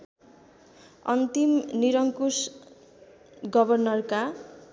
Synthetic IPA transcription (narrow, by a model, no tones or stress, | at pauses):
ʌnt̪imniɾʌŋkus | ɡʌbʌrnʌrka